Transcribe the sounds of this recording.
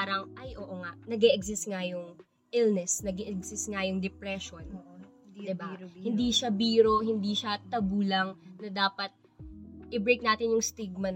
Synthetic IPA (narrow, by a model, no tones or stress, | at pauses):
paːɾɐŋʔɐjʔoːʔoŋɐʔnɐɡɛːʔɛɡsɪst̪̚ŋɐjʊŋ | ʔɪlnɛsnɐɡɛʔɛɡsɪst̪̚ŋɐjʊŋd̪ɛpɾɛʃon | d̪ɪbahɪnd̪iʃɐbiːɾo̞hɪnd̪iʃɐt̪ɐbuːlɐŋnɐd̪aːpɐt̪̚ | ʔɪbɾejk̚naːt̪ɪnjʊŋst̪iɡ̚mɐ